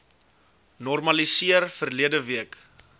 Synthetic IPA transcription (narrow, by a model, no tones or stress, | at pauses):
nɔrmɐlisiərfərliədəviək